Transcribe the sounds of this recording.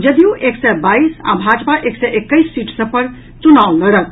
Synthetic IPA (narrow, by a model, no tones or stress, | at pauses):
d͡ʒəd̪ijũʔeksɛbaisa̰bʱad͡ʒpaʔeksɛʔekːəɪsːiʈsə̃pəɾ | t͡ʃunawləɾət̪̚